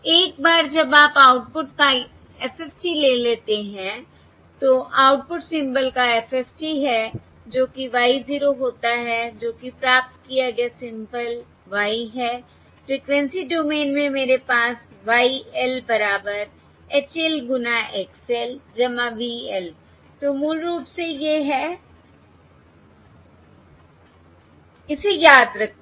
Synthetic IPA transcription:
eːk̚baːɾd͡ʒɐbaːpaːʊʈ̚pʊʈka | ɛːfʰɛːfʈileːleːt̪eɦɛ̃ | t̪oʔaːʊʈ̚pʊʈsɪ̃mbəlkaɛfʰɛːfʈiɦɛ | d͡ʒoːkiʋaːiziːɾoɦoːt̪aɦɛd͡ʒoːkipɾaːp̚t̪kijaɡɛsɪ̃mbəl | ʋaːiɦɛː | fɾiːkʋɛ̃nsiɖoːmeːnmẽmeːɾepaːsʋaːiɛlbɐɾaːbəɾ | eːt͡ʃelɡʊnaʔeːksɛld͡ʒɐmaʋiɛl | t̪omuːlɾuːpsejeɦɛ | ɪsejaːd̪ɾɐk̪̚ʰ

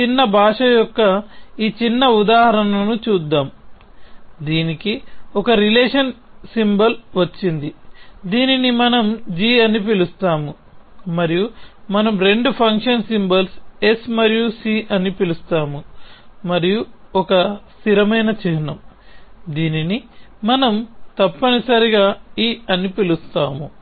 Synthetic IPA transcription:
t͡ʃinːɐbʱaːʂɐjɔkːɐiːt͡ʃinːɐud̪aːɦɐɾɐnɐɐnut͡ʃuːd̪ːaːm | d̪iːnikiɔkɐɾileːʂɐnsimbɐlʋɐt͡ʃːind̪id̪iːninimɐnɐmd͡ʒiːɐnipilust̪aːmu | mɐɾijumɐnɐmɾe̞ɳɖupʰɐŋkʂɐnsimbɐlse̞smɐɾijusiːʔɐnipilust̪aːmumɐɾijuɔkɐst̪iɾɐmɐjnɐt͡ʃɛɦinɐmd̪iːninimɐnɐmt̪ɐpːɐnisɐɾiɡaːiːɐnipilust̪aːmu

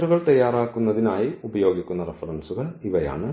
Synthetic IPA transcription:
ɾuɣɐɭt̪ɐjːaːɾaːkːunːɐðinaːjiubɐjo̞ːɡikʲːunːɐrefɐɾɐnsuɣɐɭiʋɐja̰ːɳɨ

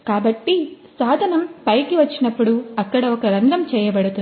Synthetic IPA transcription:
kaːbɐʈːi | saːd̪ʱɐnɐmpɐjkiʋɐt͡ʃːinɐpːuɽuɐkːɐɽɐɔkɐɾɐnd̪ʱɐmt͡ʃɛːjɐbɐɽut̪un

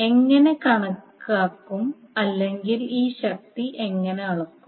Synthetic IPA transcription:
e̞ŋːɐne̞kɐɳɐkːaːkːum | ɐlːe̞ŋɡiliːɕɐk̚t̪iʔe̞ŋːɐne̞ɐɭɐkːum

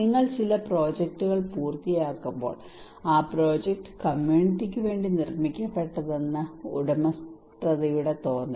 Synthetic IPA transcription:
iŋːɐɭt͡ɕilɐpro̞ːd͡ʑek̚ʈuɣɐɭpuːrt̪ijaːkːumbo̰ːɭ | aːpro̞ːd͡ʑek̚ʈɨ̥kɐmjuːɳiʈːik̬ʲːɨʋe̞ːɳɖinirmikʲːɐpːe̞ʈːɐðe̞nːɐṵɽɐmɐst̪rɐðɐjuɽe̞t̪o̞ːnd̪ɐ

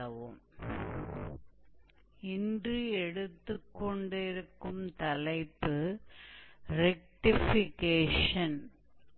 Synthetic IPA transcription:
ɐʋɯm | ɪndrɯɛɽɯt̪ːɯkːɔɳɖɪɾɯkːɯmt̪ɐlɐɪpːɯ | ɾɛk̚ʈɪfɪkeːʂɐn

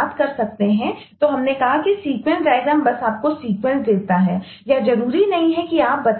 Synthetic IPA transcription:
t̪kɐɾsɐk̚t̪eɦɛ̃ | t̪oɦɐmnekɐɦakisiːkwə̃ɳʈɾaːɪzəmbɐsaːp̚kosiːkwə̃nsd̪eːlt̪aɦɛː | jazɐɾuːɾinɐɦĩɦɛkiaːp̚bɐt̪

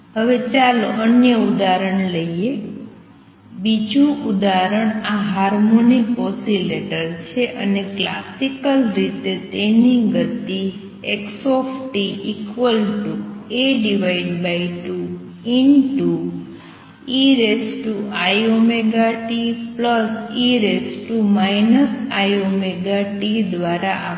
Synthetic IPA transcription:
ɦəʋet͡ʃaloʔənjəud̪aɾəɳ̃ləie | bid͡ʒʱũʔud̪aɾəɳ̃aɦaɾmonikɔsileʈəɾt͡ʃʰeʔə̰nekla̰sikəlɾit̪et̪eniɡət̪i | eksɔfʈiikʋəlʈueɖiʋaiɖbaiʈu | inʈu | iɾesʈuajomeɡaʈipləsiɾesʈumajnəsajomeɡaʈid̪ʋaɾaʔa

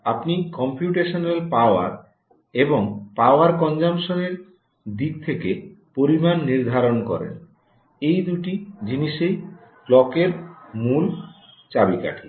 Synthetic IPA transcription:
apnikɔmpjuʈeʃonelpaoa̰ɾ | eboŋpaoaɾkɔnd͡ʑamʃoneɾ | d̪ik̚t̪ʰekepoɾimanːiɾd̪ʱaɾonkɔ̰ɾḛn | ejd̪uʈid͡ʑiniʃej | plɔkeɾmul | t͡ɕabika̰ʈʰi

